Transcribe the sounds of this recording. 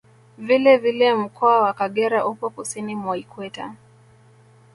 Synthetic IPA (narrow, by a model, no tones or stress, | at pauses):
vilɛvilɛm̩kʰɔawakaɠɛɾaʔupɔkusinimɔikwɛta̰